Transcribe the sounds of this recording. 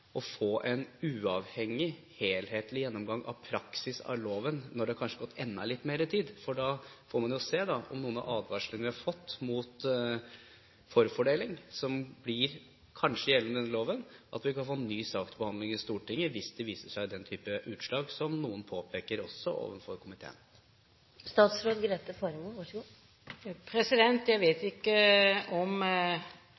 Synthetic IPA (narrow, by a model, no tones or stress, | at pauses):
ɔfoːʔɛnʉːɑːʋhɛŋːɪ | heːlheːt̪lɪjɛnːɔmɡɑŋːʔɑ̰ʋpʰɾɑksɪsɑ̰loːʋənːɔɖɛhɑkʰɑnʂəɡɔt̪ːɛnːɑ̰lɪt̪ːmeːɾɪt̪ʰiːd̪fɔɖɑfoːɾmɑnjʊseːd̪ɑʔɔ̰mnuːənɑ̰ʔɑːd̪ʋɑʂləŋənʋɪhɑɾfɔt̪ːmʊt̪ | fɔɾfɔɖeːlɪŋsɔmblɪɾ | kʰɑnʂəjɛləməd̪ɛnːəloːʋənʔɑ̰t̪ʋɪkɑnfoːnːyːsɑːkt̪bəhɑnd̪lɪŋɪst̪uːʈɪŋːəʋɪsd̪ɛʋiːsəʂæɪd̪ɛnt̪ʰyːpəʔʉːt̪ʂlɑːɡsɔmnuːənpʰoːpʰeːkəɾɔsːɔ̰o̰ːʋənfɔɾkʰʊmɪt̪ʰḛːə̰n | st̪ɑːt̪sɾoːd̪ɡɾeːt̪əfɔɾəmuːʋɑʂɡuː | pʰɾɛsɪd̪ɛnt̪jæɪʋeːt̪ɪkːəɔm